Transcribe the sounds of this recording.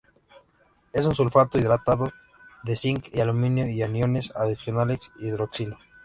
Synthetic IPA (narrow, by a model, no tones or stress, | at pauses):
e̞s̬unsulfat̪oiðɾat̪aðo | ðe̞siŋkialumĩnjoianjo̞ne̞saðisjo̞nalesiðɾoksilo